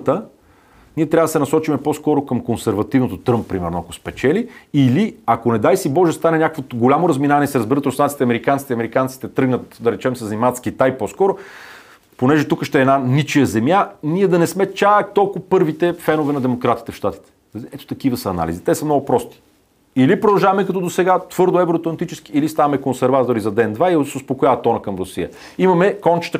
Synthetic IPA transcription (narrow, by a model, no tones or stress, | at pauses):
t̪ə | niɛt̪ɾʲavəd̪sɛnɐsɔt͡ʃimɛposkɔɾokəmkonsɛɾvɐt̪ivnot̪ot̪ɾɤmppːɾimɛɾnoɐkospɛt͡ʃɛliːliakonɛd̪ajsibɔʒɛst̪anɛnʲakəkvoɡolʲamoɾɐzminavɐnɛisɛɾəzbiɾət̪ɾosansi̥t̪ɛɐmɛɾikant̪si̥t̪ɛiɐmɛɾikant̪sit̪ɛt̪ɾɤɡnət̪d̪ɐɾɛt͡ʃɛmsəzɐnimavət̪sk̟it̪ajposkɔɾo | ponɛʒɛt̪ukəʃt̪ɛːnanit͡ʃijəzɛmjaniɛd̪ɐnɛsmɛt͡ʃakt̪ɔlˠkʊpɤɾvit̪ɛfɛnovɛnɐd̪ɛmokɾat̪i̥t̪ɛfʃt̪at̪i̥t̪ɛ̥ɛt̪o̥t̪ɐk̟ivəsəːna̰lḭzit̪ɛsɐmnɔɡʊpɾɔst̪i̥ | ilipɾod̪ɐlˠʒavɐmɛkɐt̪ɔd̪osɛɡat̪v̥ɤɾd̪oɛvɾot̪lˠɐnt̪it͡ʃɛsk̟iːlist̪avɐmɛkonsɛɾvat̪oɾizɐd̪ɛnd̪vaisɛʊspokʊjavət̪ːɔnɐkɐmɾosḭjə̰ | imɐmɛkɔnt͡ʃə̥t̪ə